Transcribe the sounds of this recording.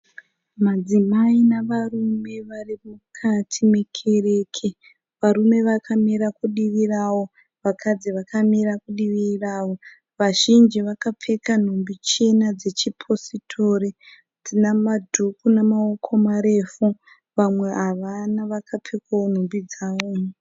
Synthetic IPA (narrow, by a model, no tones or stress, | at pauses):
mad͡zimainaʋarume̞ʋarimukʰatʰime̞kʰe̞re̞ːkʰe | ʋaɾume̞ʋakʰamiɾakuɗiʋirawo̞ | ʋakʰad͡ziʋakʰamiɾakuɗiʋiraːwo̞ | ʋaʒind͡ʒiʋakap͡fe̞kan̤umbit͡ʃenad͡ze̞t͡ʃipʰo̞sitʰo̞ri | d͡zinamadʱukunamaokʰo̞maɾe̞fu | ʋamwe̞aʋanaʋakʰap͡fekʰawon̤umbid͡zaːwo